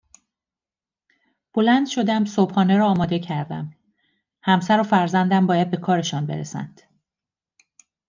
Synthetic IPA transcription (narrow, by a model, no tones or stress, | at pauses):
b̥o̞lænd̪ʃo̞d̪æmsobhɒːneɾɒːmɒːd̪e̞cʰæɾd̪æ̰m | hæmsæɾofæɾzænd̪æmbɒːjæd̪̚be̞kʰɒːɾe̞ʃɒːnbe̞ɾesæ̰nd̪̥